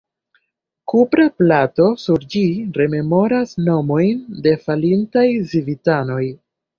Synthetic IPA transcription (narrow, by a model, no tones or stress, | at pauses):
kupɾaplato̞suɾd͡ʒiɾe̞me̞mo̞ɾasno̞mo̞jnde̞falintajzivitano̞j